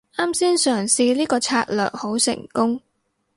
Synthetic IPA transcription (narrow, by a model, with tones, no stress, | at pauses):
ʔaː˥msiː˥nsœː˨˩ŋsiː˧liː˥kɔː˧t͡sʰa̰ː˧t̚lœ̰ː˨k̚ho˨˥wsɪ̰˨˩ŋkʊ˥ŋ